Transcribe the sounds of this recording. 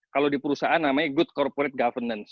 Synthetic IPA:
kalodipəɾusaʔanːamaɲaɡʊt̪̚kɔrpoɾɛt̪̚ɡafərnəns

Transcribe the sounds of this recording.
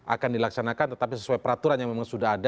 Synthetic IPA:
ʔa̰kandilaksanakant̪ə̥t̪apisəsuajpəɾat̪uɾanjaŋmemaŋsudaɦada

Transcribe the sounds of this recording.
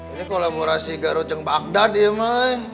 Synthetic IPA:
d͡ʒadikolaboɾasiɡaɾot̪əŋbak̚dad̪ijəmaj

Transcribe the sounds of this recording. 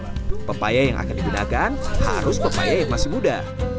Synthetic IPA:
pəpajajaŋʔa̰kandiɡuna̰kanha̰ɾʊspəpa̰jajaŋmasɪmuda

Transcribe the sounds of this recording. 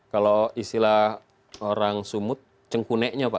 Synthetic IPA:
kaloisilah | oɾaŋsumʊt̪̚ | t͡ʃəŋkunɛʔɲapa

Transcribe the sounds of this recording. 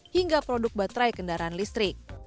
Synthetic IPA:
hiŋɡapɾodʊk̚bat̪ɾajkəndaɾaːnlist̪ɾɪk̚

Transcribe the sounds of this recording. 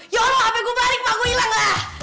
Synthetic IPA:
jɔlɔapɛkubalɪk̚makuilaŋlah

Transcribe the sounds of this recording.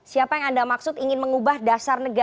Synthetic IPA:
siapajaŋandamaksʊt̪iŋɪnməŋubahdasarnəɡa

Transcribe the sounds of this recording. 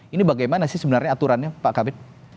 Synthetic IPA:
inibaɡajmanasɪhsəbənarɲaːt̪uɾanɲapaʔkabɪt̪̚

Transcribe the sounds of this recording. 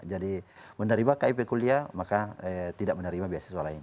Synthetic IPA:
d͡ʒadimənaɾimakaipɛkuliamakat̪idaʔ̚mənaɾimabiasasualaini

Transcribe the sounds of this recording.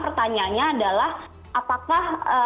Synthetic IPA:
pərt̪aɲaɲaːdalah | ʔapakahə

